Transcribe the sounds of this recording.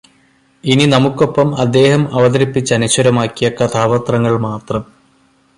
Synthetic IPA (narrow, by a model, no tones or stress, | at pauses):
ininɐmukːo̞pːɐmɐd̪ːe̞ːhɐmɐʋɐðɐɾipːit͡ɕːɐnuɕɐɾɐmaːkːijɐkɐt̪ʰaːʋɐt̪rɐŋːɐɭmaːt̪rɐm